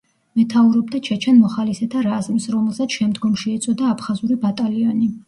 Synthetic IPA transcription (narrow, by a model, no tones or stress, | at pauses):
mɛt̪ʰauɾɔb̚d̪at͡ʃʰɛt͡ʃʰɛnmɔχalisɛt̪ʰaɾazmisɾɔmɛlˠsat̪ʃɛmd̪ɡɔmʃiɛt̪sʼɔd̪aːpʰχazuɾibat̪ʼaliɔni